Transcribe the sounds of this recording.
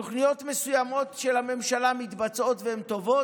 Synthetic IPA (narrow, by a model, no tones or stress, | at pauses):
oχnijo̞t̪mesujamo̞t̪ʃelhame̞mʃalamit̪bat͡so̞t̪vehemt̪o̞vo̞